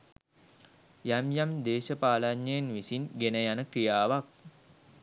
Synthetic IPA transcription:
jamjamd̪eːʃəpaːlaɲːjejenʋisinɡenəjanəkrijaːʋak̚

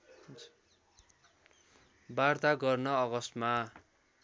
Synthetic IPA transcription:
bart̪aɡʌrnʌʌɡʌst̪ma

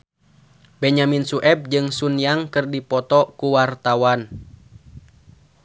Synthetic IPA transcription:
bɛɲaminsuʔɛb̚d͡ʒɨŋsunjaŋkɨrdipɔt̪ɔkuwart̪awan

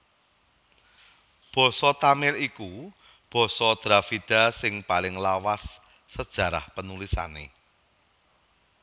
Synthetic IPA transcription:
b̥ɔ̤sɔt̪amɪliku | b̥ɔ̤sɔd̪̥ɾafiɖ̥a̤sɪŋpalɪŋlawasː | əd̥ʒ̥ä̤ɾa̰hpənulisa̰nḛ

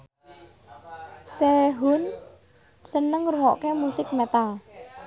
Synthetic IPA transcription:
seɦun | sənəŋɾuŋɔʔkemusɪk̚mɛt̪al

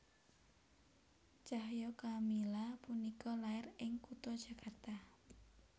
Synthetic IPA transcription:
t͡ʃaɦjɔkamilapunikɔlaɪrɪŋkut̪ɔd̥ʒ̥a̤kʰart̪a

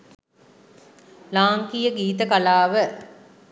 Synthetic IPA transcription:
laːŋkijəɡiːt̪əkalaːʋə

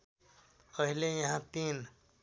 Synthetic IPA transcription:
əɦilejɐɦãt̪iːn

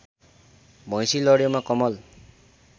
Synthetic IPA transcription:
bʱʌ̃j̃silʌɽjomakʌmʌl

